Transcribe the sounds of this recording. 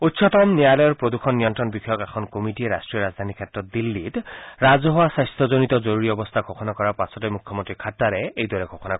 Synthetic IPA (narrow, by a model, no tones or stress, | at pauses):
utːsʰɔt̪ɔmnialɔjɔɾpɹod̪ukʰɔnːijɔntɾɔnbikʰɔjɔkɛkʰɔnkomiʈieɾasʈɾiɔɾad͡zd̪ʱanikʰetɾɔt̪̚d̪ilːit̪ɾad͡zɔɦɔwasajst̪ʰɔzonit̪ɔzɔɾuɹiɔbɔst̪ʰaɡʱɔkʰɔnakɔɾapasɔtɔjmukʰːjɔmont̪ɹikʰatːaɾeejd̪waɾɛɡʱɔkʰɔna